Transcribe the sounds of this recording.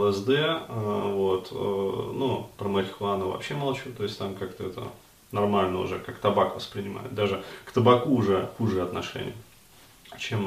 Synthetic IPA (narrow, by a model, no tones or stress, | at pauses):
lˠɛzd̪ɛəvot̪nupɾəməɾʲɪxlˠanəvɐ̰pɕːemɐlˠt͡ɕut̪o̞jɪsʲtʲt̪amkakt̪əɛt̪ə̰ | nɐrmalʲnəʊ̰ʐɛkakt̪ɐbakvəspɾʲɪnʲɪma̰jɪ̰t̪̚d̪aʐɨkt̪əbɐkuːʐɛxuʐɨəɐt̪nɐʂɛ̰nʲɪ̰ə | t͡ɕem